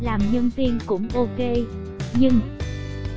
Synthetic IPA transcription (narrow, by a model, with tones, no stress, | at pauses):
laː˨˩mɲə˧nvi˧ənkʊ̰˧˥ŋ͡mʔo˧ke˧ | ɲɨ˧ŋ